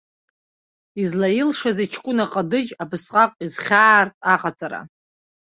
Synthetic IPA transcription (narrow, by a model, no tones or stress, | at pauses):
izlailʂazait͡ʃʰkʷʼʊnaqʼadɨd͡ʒabɨsqʼakʷʼizχʲaːrtʼaqʼat͡sʼaɾa̰